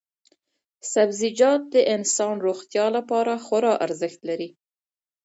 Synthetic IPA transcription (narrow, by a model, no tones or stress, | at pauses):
sabzid͡ʒɑt̪̚d̪əʔɪnsɑnɾoxt̪jɑlapɑɾaxoɾɑʔaɾzəxt̪laɾi